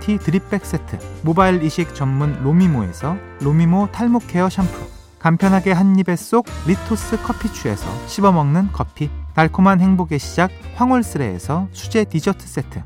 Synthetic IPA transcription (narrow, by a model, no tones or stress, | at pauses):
tʰitɯɾip͈e̞k̚s͈e̞tʰɯmobailiɕʰik̚t͡ɕʌmːunlomimoe̞̰sʰʌ | ɾomimotʰaɭmokʰe̞ʌɕʰampʰu | kampʰjʌnɦaɡe̞ɦaɲːibe̞s͈oɡ̚litʰos͈ʰɯkʰʌpʰːit͡ɕʰue̞̰sʰʌ̰ɕʰibʌmʌŋnɯnkʰʌpʰinaɭkʰumanhe̞ŋboɡeɕʰid͡ʑak̚ɸwaŋoɭs͈ɯɾe̞̰ːsʰʌt͡ɕʰud͡ʑe̞tid͡ʑʌtʰɯ̥s͈e̞tʰɯ